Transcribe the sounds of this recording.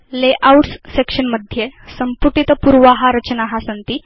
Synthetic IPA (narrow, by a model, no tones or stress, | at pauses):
leʔauʈssekʂənməd̪ʱjesəmpuʈit̪əpuɾʋaɦaɾət͡ɕnaɦasənt̪i